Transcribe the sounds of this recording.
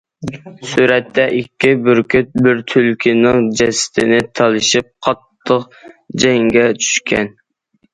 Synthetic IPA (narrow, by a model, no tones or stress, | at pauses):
suɾɛt̪ʰːɛʔikʲʰːibɾʲbɪɾt̪ʰylkʲʰinɨŋd͡ʒɛsɪ̥t̪ʰɪnɪt̪ʰɑlˠɨʃip̚qʰɑt̪ʰːəq | d͡ʒɛŋɡʲɛt͡ʃʰy̥ʃkʲɛ̰n